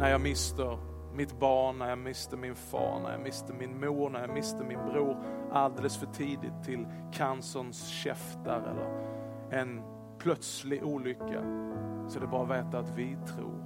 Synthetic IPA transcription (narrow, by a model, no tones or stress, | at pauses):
næɾjɑːmɪst̪əɾ | mɪt̪bɑːɳɳæɾjɑːmɪst̪əɾmɪnfɑ̰ːɳæ̰ɾjɑ̰mɪst̪əɾmɪnmuːɾnæɾjɑːmɪst̪əɾmɪnbɾuːɾʔald̪ɛːləsfœʈʰiːd̪ɪ̰t̪ʰːɪl | kʰansɔnsɕɛ̰ft̪aɾɛ̰lːə̰ɾ | ɛn | pʰlœt̪slɪɡʔuːlʏkːa̰sɔɛd̪ɛbɑːɾavɛːt̪at̪vɪt̪ʰɾṵːɾ